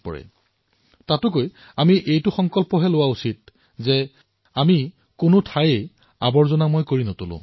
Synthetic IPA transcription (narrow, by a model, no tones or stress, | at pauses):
pɔ̰ɹɛ̰ | tatʊk̬oj | amiʔejtʊxɔŋkɔlpɔɦɛlʊwausit̚ | zɛ | ami | kʊnʊtʰajej | abɔɹzɔnamojkoɹinɔtolʊ̰̃